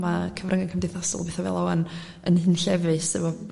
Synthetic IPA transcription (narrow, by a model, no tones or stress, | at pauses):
makʰəvrʔəŋɪnkʰəmdɪθasɔ̰lˠbɛθɔvɛ̰lˠawan | ə̰nhɨnɬɛvɨsɨvɔ